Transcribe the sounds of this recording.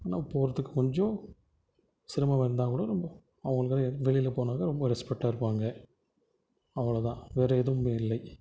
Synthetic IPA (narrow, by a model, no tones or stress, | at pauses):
aːnaːʊpːoːʋɐɾɐt̪ːɯkːɯkɔɲd͡ʒõ | sɪɾɯmaːʋɐɾnd̪aːkuːɽɐɾɔmbɐ | ɐʋɐŋɡɐɭɯkːɪʈɐɛʋɛɭɪjɪlɛpoːnaːkɐɾɔmbɐɾɛspɛk̚ʈːaːɪɾɯpːaːŋɡɐ | ɐʋɐɭɐt̪ãːʋeːɾɐɛðɯmeːɪlːɐɪ